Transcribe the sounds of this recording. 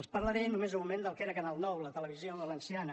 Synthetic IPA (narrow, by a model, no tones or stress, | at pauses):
əlˠspəɾləɾenumezumumẽnd̪əlˠkeɾəkanalˠnɔwlət̪ələβizjoβələnsianə